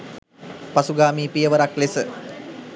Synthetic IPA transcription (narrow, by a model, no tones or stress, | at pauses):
pasuɡaːmiːpijəʋəɾaklesə